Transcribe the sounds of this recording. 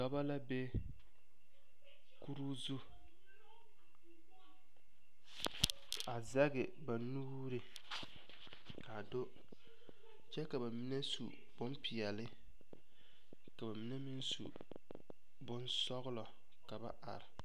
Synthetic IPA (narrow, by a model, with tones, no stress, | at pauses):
ka˨ba˦la˦be˦ | ku˦ɾu˦zu˦ | a˨za˦ɡɪ˨ba˨nu˦u˦ɾɪ˨ | ka˨do˦ | t͡ʃɛ˦ka˨ba˨mi˦nɛ˦sṵ˨ | b̥ʊ˦mpi˨ɛ˨lɪ˦ | ka˨ba˨mi˦nɛ˦mɪ˦n˦sṵ˨ | bʊ˦nsɔ˦ɣʊ˦lɔ˨ | ka˨ba̰˦ʔa̰˨ɾɪ˨